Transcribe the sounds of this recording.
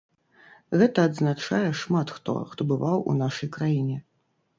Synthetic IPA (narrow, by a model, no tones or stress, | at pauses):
ɣɛt̪ɐːd̪znat͡ʂajɛʂmat̪xt̪ɔ̰xt̪ɔbɨvawṵnaʂɐjkɾajinʲɛ